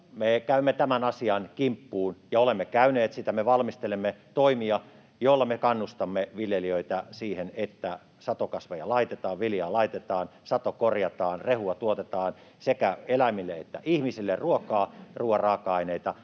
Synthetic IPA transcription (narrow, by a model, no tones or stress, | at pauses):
mekæymːet̪æmænɑsiɑnkimpːuːnjɑolemːekæyneːt̪sit̪æmeʋɑlmist̪elemːet̪oimiɑ | jolːɑmekɑnːust̪ɑmːeʋiljeliøit̪æsiːhenet̪ːæ | sɑt̪okɑsʋojɑ̰lɑit̪et̪ɑːʋʋiljɑːlɑit̪et̪ɑːnsɑt̪okorjɑt̪ɑːnrehuɑt̪uot̪et̪ɑːn | sekæelæmilːeet̪ːæ̰ʔihmisilːerruokɑːruorɑːkɑineit̪ɑ